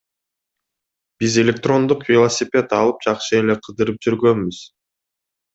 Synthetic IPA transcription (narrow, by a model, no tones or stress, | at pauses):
b̥ize̞lʲe̞k̚t̪ro̞nd̪uqvʲɪlˠosʲɪpʲet̪ɑlˠɯp̚d͡ʒɑqʃɯe̞le̞qʰɯd̪ɯɾɯp̚d͡ʒyɾɡø̞nbyz̥